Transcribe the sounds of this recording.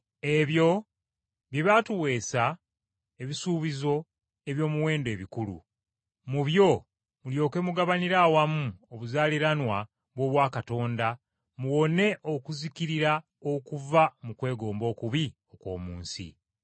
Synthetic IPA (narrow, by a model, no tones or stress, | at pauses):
e̞βjo̞ | βjeβatuwe̞ːsa | e̞βisuːβizo̞ | e̞βjo̞ːmuwe̞ːndwe̞ːβikulṵ | muβjo̞ | muljo̞ːke̞muɡaβaniɾawamuoβuzaːliɾanwa | βwo̞ːβwaːkato̞ːnda | muwo̞ne̞ʔokuzikiɾiɾa | okuvamukwe̞ːɡo̞ːmbo̞ːkuβio̞kwo̞̰ːmuːnsḭ